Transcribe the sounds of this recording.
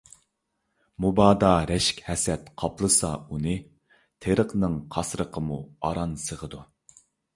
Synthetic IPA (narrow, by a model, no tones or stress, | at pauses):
mubɑːd̪ɑɾɛʃkʲhɛsɛt̪qʰɑplˠəsɑunɨ | t̪ʰeɾəqnɨŋqʰɑsɾəqʰəmuɑɾɑnsəʁəd̪u